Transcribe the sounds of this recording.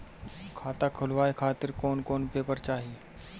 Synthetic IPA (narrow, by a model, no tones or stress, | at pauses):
kʰat̪akʰəlʋajkʰat̪iɾkoɳkoɳpepəɾt͡ɕaɦi